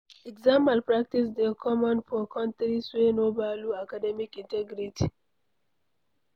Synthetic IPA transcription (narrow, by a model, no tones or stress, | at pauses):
ɛɡzãmpalpɹak̚tisdekʰɔmɔ̃nfɔkʰɔ̃ntɾiswenobaluakadɛmikĩntɛɡɾiti